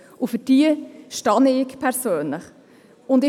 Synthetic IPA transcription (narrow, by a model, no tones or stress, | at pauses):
ʊfʏd̥iːəʃtɑnəɪkpʰɛɾsøːnləχ | ʊndɪ